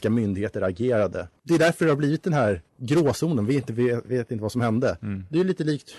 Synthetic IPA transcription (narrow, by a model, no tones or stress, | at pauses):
kamʏnd̪ɪɡheːt̪əɾaɡeːɾad̪ə̰d̪ɛd̪æɾfœɖɛhaɾbliːvɪt̪̚d̪ɛnɦæːɾɡɾoːsuːnənveɪnt̪əvveːt̪ɪnt̪əvasɔmhɛnd̪əd̪ɛliːt̪əliːkt̪